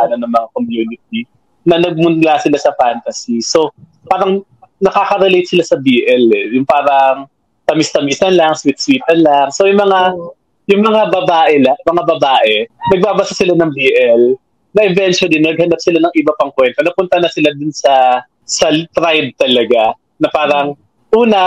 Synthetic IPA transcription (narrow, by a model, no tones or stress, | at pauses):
anɐnɐŋmɐŋakomjuːnɪt̪̚i | nɐnɐɡ̚mʊnd̪lasɪlasɐfant̪ɐsiso̞ | paːɾɐŋ | nɐkaːkɐɾɛlejt̪̚sɪlasɐbiːʔɛlɛjʊŋpaːɾɐŋ | t̪ɐmist̪ɐmisɐnlɐŋswit̪̚swiːt̪ɐnlaŋsojʊŋmɐŋa | jʊŋmɐŋabɐbaːʔɛlɐmɐŋabɐbaːʔɛnɐɡ̚baːbɐsasɪlanɐŋbiːʔɛl | nɐʔɛvɛnt͡ʃʊɐlinɐnɐɡ̚hɐnap̚sɪlanɐŋʔɪbɐpɐŋkwɛnt̪onɐpʊnt̪ɐnɐsɪlad̪ʊnsɐ | sɐt̪ɾajd̪̚t̪ɐlɐɡa | nɐpaːɾɐŋ | ʔuːnɐ